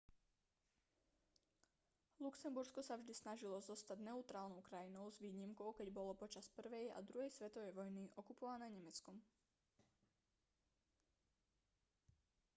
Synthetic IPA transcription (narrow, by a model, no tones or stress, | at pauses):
luksɛmbuɾskɔsavʒd̪isnaʒilɔzɔst̪aɟnɛut̪ɾaːlnɔʊkɾajinɔʊzʋiːɲimkɔʊkɛɟbɔlɔpɔt͡ʃaspr̩ʋɛja̰d̪ɾuɦɛjsʋɛt̪ɔʋɛjʋɔjniʔɔkupɔʋanɛːɲɛmɛt͡skɔm